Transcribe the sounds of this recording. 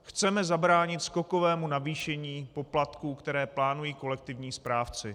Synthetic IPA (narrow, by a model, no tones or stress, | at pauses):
xt͡sɛmɛzabɾaːɲɪt̪sko̞ko̞vɛːmunaviːʃɛɲiːpo̞plat̪kuːkt̪ɛɾɛːplaːnujiːko̞lɛk̚t̪ɪvɲiːspɾaːft͡sɪ